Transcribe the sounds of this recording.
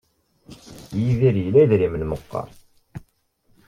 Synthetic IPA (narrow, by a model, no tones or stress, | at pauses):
jiðiɾjlæðɾimənməqːɑ̰ɾˤ